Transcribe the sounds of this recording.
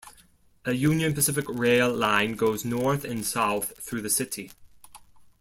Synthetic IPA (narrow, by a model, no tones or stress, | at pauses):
əjʉ̃njə̃npəsɪfɪkɹeɪlˠlãɪ̃nɡoʊznɔɹθɪ̃nsaʊθθɹʉːðəsɪtʰi